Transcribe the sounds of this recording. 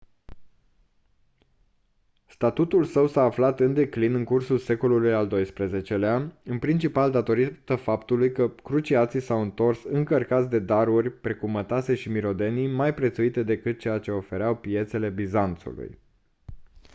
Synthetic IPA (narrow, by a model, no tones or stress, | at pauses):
st̪at̪ut̪ulsəwsaːflat̪ɨnd̪e̞klinɨŋkursulse̞ko̞lulujald̪o̞jspɾeze̞t͡ʃe̞leaɨnpɾint͡ʃipald̪at̪o̞ɾit̪əfapt̪ulujkəkɾut͡ʃiat̪sisawɨnt̪o̞rsɨŋkərkat̪s̬ʲd̪e̞d̪aɾurʲpɾe̞kumːət̪ase̞ʃimiɾo̞d̪e̞nijmajpɾe̞t̪suit̪e̞d̪e̞kɨt̪̚t͡ʃe̞jat͡ʃe̞o̞fe̞ɾeawpije̞t̪se̞le̞bizant̪sṵlṵj